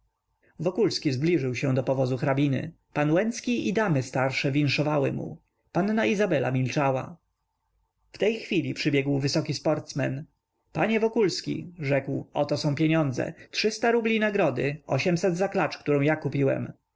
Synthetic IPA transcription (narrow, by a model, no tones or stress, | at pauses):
vɔkulskʲizblʲiʐɘwɕɛ̃d̪ɔpɔvɔzuxɾabʲinɘ̰ | panwɛnt̪skʲiid̪amɘst̪aɾʂɛvʲinʂɔvawɘ̰mṵ | panːaizabɛla̰mʲilt͡ʂawa̰ | ft̪ɛjxfʲilʲipʂɘbʲjɛɡwvɘsɔkʲispɔɾt̪smɛn | paɲɛvɔkulskʲḭʐɛkwɔt̪ɔsɔ̃w̃pʲjeɲɔnd̪zɛ̰tʂɘst̪aɾublʲinaɡɾɔd̪ɘ̰ɔɕɛmsɛd̪zaklat͡ʂkt̪uɾɔ̃w̃jakupʲiwɛ̰m